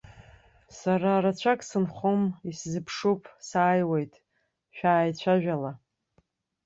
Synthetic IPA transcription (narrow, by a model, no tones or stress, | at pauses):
saɾaɾat͡ɕʷʰakʼsɨnχomiszɨpʰʂupʰsaːjwe̞jtʼ | ʃᶣaːjt͡ɕʷʰaʒᶣala